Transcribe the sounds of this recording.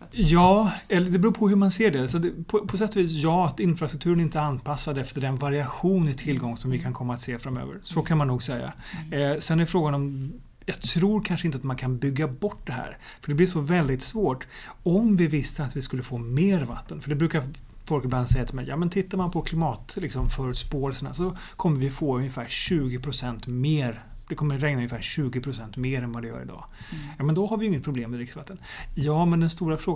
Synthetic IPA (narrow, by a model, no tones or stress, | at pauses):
jɑːɛlːəɖ̪ɛbɾuːpʰɔɦɵmanseːɖɛsaɛpʰɔpʰɔs̬ɛt̪ːɔviːsjɑːat̪ɪnfɾast̪ɾɵkt̪ʰʉːɾənɾɪnt̪əəanːpʰasːad̪ɛft̪əɖɛnvaɾɪaɧuːnɪt̪ʰɪlːɡɔŋːsɔmvɪkʰankʰɔmːaːt̪seːfɾamø̰ːvə̰ɾsɔkʰanmanːuːɡsɛjːa̰ | sɛnɛɾjfɾoːɡanɔm | jɑːɡt̪ʰɾuːɾkʰanʂəɪnt̪əat̪mankʰanbʏɡːabɔʈ̚ːd̪ɛɦæ̰ːɾ | fœɖɛblɪʂɔvɛld̪ɪt̪svoːʈɔmvɪvɪst̪əat̪vɪskɵlːəfoːmeːɾva̰t̪ːənfœəɖɛbɾʉːkaɾ | fɔlkɪbland̪sɛjat̪ʰɪlmɛ̰jɑ̰ːmɛnt̪ʰɪt̪ːaɾmanpʰɔkʰlɪmɑːt̪lɪksɔmfœɾʉt̪spoːɛlsəna̰sɔ | kʰɔmːəɾvɪfoːɵnjəfæːɾɕʉ̟ːɡɪpʰɾʊsɛnt̪meːɾ | d̪ɛkʰɔmːəɾɛŋnaɵnjɪfæːɾɕʉ̟ːɡɪpʰɾʊsɛnt̪meːɾɛnvad̪ɛjœ̰ːɾɪ̰d̪ɑ̰ː | jɑːmɛnd̪ɔhaɾvɪjʏɪŋːət̪̚pʰɾʊbleːmːɛd̪ɾɪksvat̪ːənjɑːmɛnd̪ɛnst̪uːɾafɾoː